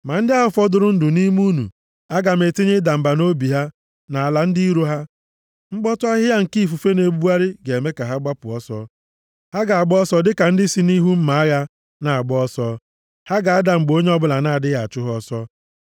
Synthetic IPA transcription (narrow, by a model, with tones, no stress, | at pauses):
ma˨n̩˦dɪ˦a˦ɦʊ˨fɔ˦dʊ˨ɾʊ˦n̩˦dʊ˨ni˦m˦u˦nṵ˨ | a˦ɡa˨me˨te˦ɲe˦da˨m̩˨ba˨no˦bi˨ɦa˦ | na˨a˨la˨n̩˦dɪ˦i˦ɾo˦ɦa˦ | ŋ͡m̩˦ɡ͡bɔ˦tʊ˦a˦ɦɪ˦ja˦ŋ̩˨ki˦˨fu˨fe˦ne˨bu˦a˦ɾɪ˦ɡe˨e˨me˦ka˨ɦa˦ɡ͡ba˦pʊ˨ɔ˦sɔ˦ | ha˦ɡa˨a˨ɡ͡bɔ˦ɔ˦sɔ˦dɪ˦ka˨n̩˦dɪ˦si˦ni˦ɦu˦m̩˦ma˨a˦ɣa˦ | na˨a˨ɡ͡bɔ˦sɔ˦ | ha˦ɡa˨a˦da˨ŋ͡m̩˨ɡ͡bo˦ɲe˦ɔ˦bʊ˦la˨na˦a˨dɪ˦ɣa˨t͡ʃʊ˦ɦɔ˦sɔ˦